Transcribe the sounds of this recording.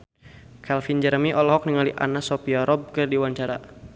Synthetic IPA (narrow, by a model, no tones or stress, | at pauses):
kʰɛlfind͡ʒəɾmiʔɔlɔɦɔk̚niŋaliʔa̰nasɔpiaɾɔb̚kərdiwaɲt͡ʃaɾa̰